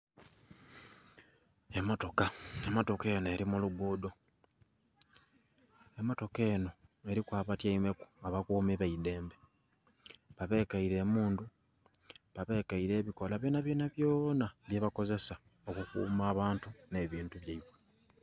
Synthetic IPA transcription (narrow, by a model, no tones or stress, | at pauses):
e̞mo̞to̞kaemo̞to̞kenoe̞ɾimuluɡuːdo̞ | emo̞to̞ke̞ːno̞e̞ɾikwaːβatjaime̞ku̥aβakuːmiβaide̞ːmbe̞ | βaβe̞ːkaiɾe̞ːmuːndu | βaβe̞ːkaiɾe̞ːβiko̞laβjoːnaβjoːnaβjoːnaβjeβako̞ze̞sa | o̞kukṵːmaːβaːntune̞βiːntuβjaiβwe